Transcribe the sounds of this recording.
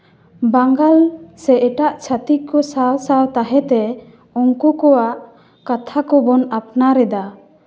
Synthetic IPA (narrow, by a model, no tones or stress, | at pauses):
baŋɡalsɛɛʈaʔt͡ʃʰat̪ikɔsawsawt̪aɦɛt̪ɛ | ɔŋkukɔwaʔ | kat̪ʰakɔbɔnapnaɾɛd̪a